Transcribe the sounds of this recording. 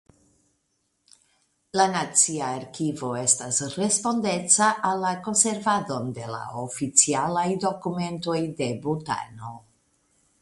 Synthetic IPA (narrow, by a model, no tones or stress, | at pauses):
lanat͡siaːɾkivo̞e̞stasre̞spo̞nde̞t͡saʔalːako̞nse̞ɾvado̞nde̞la̰ofit͡sialajdo̞kume̞nto̞jde̞buta̰no̞